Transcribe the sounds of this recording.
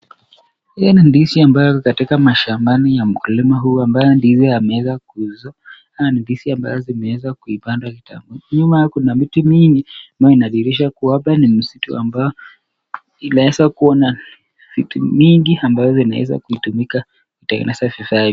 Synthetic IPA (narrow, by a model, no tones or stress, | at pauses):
hijɔnindisiambajɔkatikamaʃambanijam̩kulimaɦuːambajɔndizɔamɛwɛzakuzɔ | amanindisiamba̰zɔzimɛwɛzakuipandwakita̰muɲumajakunamitumiŋɡiambajɔinaɗiɾiʃakuaɓanim̩situa̰mbajɔ | inaɛzakuɔna | v̥itumiŋɡiambavɔzɔina̰wɛ̰za̰kuitumika | kitɛŋɡɛ̰nɛsavifa